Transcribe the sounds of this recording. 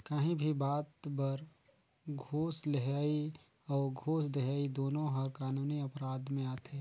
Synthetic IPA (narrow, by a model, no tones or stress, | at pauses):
kaɦĩbʱibaːt̪bɐɾ | ɡʱoːsleɦaːi | ɔːɾɡʱoːs̬d̪eɦaːid̪oːnõɦɐɾkaːnuːniɐpɾaːd̪mẽaːt̪eː